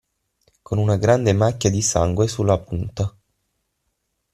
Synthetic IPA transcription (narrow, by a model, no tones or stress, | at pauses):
konunaɡɾand̪emakʲːjad̪isa̰ŋɡwesulːapunt̪a